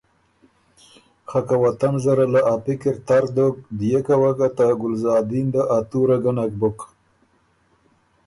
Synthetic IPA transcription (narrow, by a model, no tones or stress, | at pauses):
xakawat̪anzaɾalaʔapɪkɪɾt̪aɾd̪ok̚d̪ijekawakat̪aɡʊlzɑːd̪ind̪əʔat̪uɾaɡanak̚bʊk